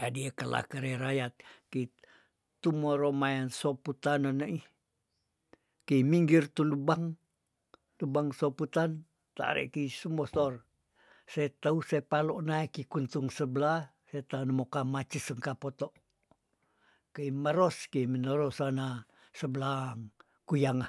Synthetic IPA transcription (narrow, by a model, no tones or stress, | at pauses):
adiəkala̰kəɾeɾajat̪̚kəi | t̪umoɾomajansoput̪ananəʔi | kəimiŋɡirt̪ulubaŋ | lubaŋsoput̪an | t̪a̰ɾḛʔkiisumosɔr | set̪ausepaloʔnaikikunt̪uŋsəbla | set̪anəmokamat͡ʃisəŋkapot̪oʔ | kəiməɾoskiminoɾosana | səbəlaŋ | kujaŋa